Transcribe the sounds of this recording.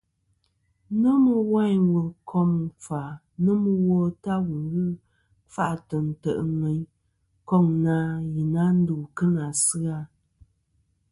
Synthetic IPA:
nə˦mə˦wa˦˨˦wə˨lkʰɔ˦m˨fa˨ | nə˦mə˦wɔ˦ta˦wu˨ɣɨ˦ | fa˦ʔtə˨n̩˨tə̰˨ʔŋɛ˨˦ɲ | kɔ˦˨ŋna˦ji˨na˦n̩˦du˨kə˦na˨sɨ˦a˦

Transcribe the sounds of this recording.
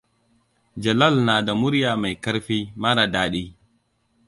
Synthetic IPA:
d͡ʒɐ˨lɐ˦˨lnaː˨da˨mʊ˦ɾjaː˨ma˨jkɐ˦ɾɸiː˦ma˦na˨daː˦ɗiː˦

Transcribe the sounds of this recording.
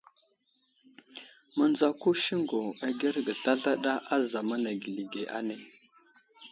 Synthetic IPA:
mə˨n˦d͡za˦ku˦ʃi˦ŋɡo˨a˨ɡe˦ɾɡə˨ɬa˦ɮa˦ɗa˦ʔa˦za˨ma˦na˨ɡi˨li˨ɡe˨ʔa̰˦ne˦

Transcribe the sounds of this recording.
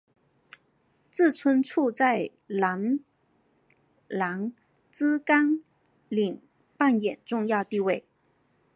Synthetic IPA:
t͡sɹ̩˥˩t͡sʰwə˥nʈ͡ʂʰu˥˧t͡sa˥˧ɪ | la˧˥n | la˧˥ŋ | t͡sɹ̩˥ka˥ŋ | li˨˩ŋ | pa˥˩njɛ˨˩nʈ͡ʂʊ˥˧ŋjɑ˥˧ʊt̪i˥˧we˥˩ɪ

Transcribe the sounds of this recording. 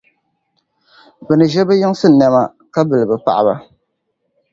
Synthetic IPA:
bɨ˨nɨ˨ʒɛ˦bɨ˦jɪ˦ŋ˦sɨ˦˨nɛ˨ma˨ | ka˦bɨ˨lɨ˨bɨ˨pa̰˨ʔa˨ba˨

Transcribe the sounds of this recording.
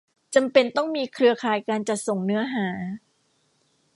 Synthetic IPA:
t͡ɕa˧mpe˧nt̪ɔ˥˩ŋmiː˧kʰɾɯ˧ɐkʰaː˨˩jkaː˧nt͡ɕa˨˩t̪̚so˨˩ŋnɯ˦˥ɐɦaː˩˦

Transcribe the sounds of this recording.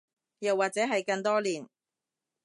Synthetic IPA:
jɐ˨wːaː˨t̚t͡sɛː˨˥ɦɐ˨jkɐ˧ŋt̪ɔː˥liː˨˩n

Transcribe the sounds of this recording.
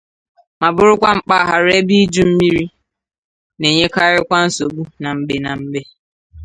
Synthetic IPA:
ma˨bʊ˦ɾʊ˦kʷa˦ŋ͡m̩˨k͡pa˦˨ɦa˨ɾe˦bi˦d͡ʒu˦m̩˦mi˦ɾi˦ | ne˨ɲe˦ka˦ɾɪ˦kʷa˦n̩˦so˨ɡ͡bu˦na˨m̩˨be˨na˨m̩˦be˦

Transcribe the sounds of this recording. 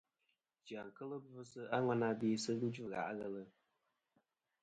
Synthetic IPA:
d͡ʒa˨ŋ̩˨kə˦lɨ˦bvsɨ˦a˦ŋa˦na˦beː˦sɨ˦n̩˦d͡ʒu˦˨ɣa̰˨ʔɣə˦lɨ˨

